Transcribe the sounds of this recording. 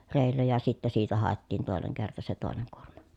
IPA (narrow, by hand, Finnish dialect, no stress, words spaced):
reˑi̯lːæ jɑ sitːæ siːtæ hɑˑetːiːn toˑeneŋ kertɑ se toˑeneŋ kuormɑ̥